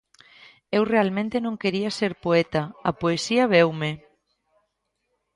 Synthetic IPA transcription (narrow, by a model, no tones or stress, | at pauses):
ewrealmẽnt̪enõŋkeɾiaseɾpoet̪aapoesiaβ̞ewme